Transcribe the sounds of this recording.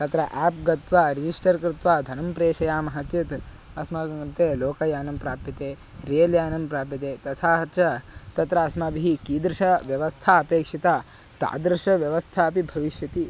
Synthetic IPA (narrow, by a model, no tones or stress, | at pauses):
t̪ɐt̪ɾɐʔɛːpɡɐt̪ʋaːɾid͡ʒisʈɐɾkɾɪt̪ʋaːd̪ʱɐnɐmpɾeːʃɐjaːmɐɦɐt͡ʃ̪it̪ | ɐsmɐɾt̪eːloːkɐjaːnɐmpɾaːpit̪eː | ɾeːljaːnɐmpɾaːp̬it̪eːt̪ɐt̪ʰaːɦɐt͡ʃʰɐt̪ɐt̪ɾɐɐsmɐbiɦikiːd̪ɾʃɐʋjɐʋɐst̪ʰaːɐpeːkʂit̪aː | t̪a̰ːd̪ɾʃɐʋjɐʋɐst̪ʰaːɐpibʱɐʋiʃjɐt̪i